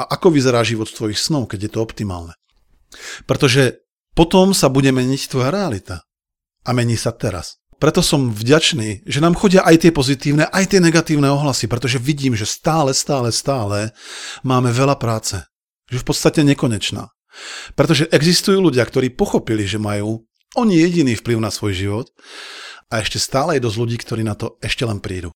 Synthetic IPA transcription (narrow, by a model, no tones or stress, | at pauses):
aʔakɔʋizɛɾaːʒiʋɔt̪st̪ʋɔjixsnɔʊkɛɟjɛt̪ɔɔpt̪ima̰ːlnɛ | pɾɛt̪ɔʒɛ | pɔt̪ɔmsabuɟɛmɛɲict̪ʋɔjaɾɛalit̪a | amɛɲiːsat̪ɛɾa̰s | pɾɛt̪ɔsɔmvɟat͡ʃniːʒɛnaːmxɔɟɪaʔajt̪ɪɛpɔzit̪iːʊnɛʔajt̪ɪɛɲɛɡat̪iːʊnɛɔɦlasipɾɛt̪ɔʒɛʋiɟiːmʒɛst̪aːlɛst̪aːlɛst̪aːlɛmaːmɛʋɛlapɾaːt͡sɛ | ʒɛfpɔt̪st̪acɛɲɛkɔɲɛt͡ʃna̰ː | pɾɛt̪ɔʒɛʔɛɡzist̪ujuːluɟɪakt̪ɔɾiːpɔxɔpiliʒɛmajuː | ɔɲijɛɟiniːfpliʊnasʋɔjʒiʋɔt̪ | aɛʃcɛst̪aːlɛjɛd̪ɔzluɟiːkt̪ɔɾiːnat̪ɔɛʃcɛlɛnpɾiːd̪ṵ